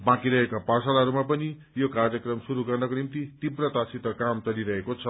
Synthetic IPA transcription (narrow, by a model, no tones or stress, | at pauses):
bãkiɾʌɦekapasalaɦʌɾumapʌni | jokarjʌkrʌmsuɾuɡʌrnʌkonimt̪it̪ibrʌt̪asit̪ʌkamt͡sʌliɾʌɦekot͡sʰʌ